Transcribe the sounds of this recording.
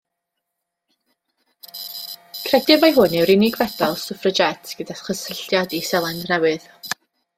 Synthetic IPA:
kʰrɛdɪmajɦʊnɛwɾɪnɪɡvɛdalˠsʊfrəd͡ʒɛtʰɡ̥ədaχəsəɬjadisɛlˠandnɛwɨð̥

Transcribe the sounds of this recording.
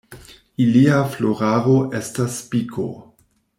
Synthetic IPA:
iliafloɾaɾoʔe̞stasːpikʰo̰

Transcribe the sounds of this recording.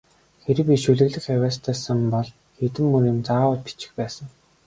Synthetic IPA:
xeɾɘ̆kʲiʃɵɮɘ̆ɣɮɘ̆xjæwæːst̪ʰæːsə̆mpɔɮ | xet̪ɘ̆mːɵnĭmt͡saːʊːpʰi̥t͡ɕɪ̥̆xpæːsə̆ŋ

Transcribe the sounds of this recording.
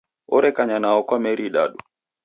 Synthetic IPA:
ɔɾɛkaɲanaɔkwamɛɾiːɗa̰ɗu

